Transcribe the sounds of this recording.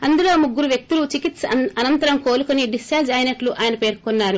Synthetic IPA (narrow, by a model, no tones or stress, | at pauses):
ɐnd̪ulo̞ːmuɡːuɾuʋjek̚t̪ulut͡ʃikit̪sɐnɐnt̪ɐɾɐmko̞ːlukuniɖisʈaːd͡ʒɐjinɐʈluʔaːjɐnɐpe̞ːɾkunːaːɾu